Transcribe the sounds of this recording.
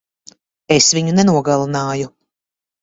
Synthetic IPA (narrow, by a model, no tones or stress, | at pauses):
esviɲunɛnuɔɡalˠanaːju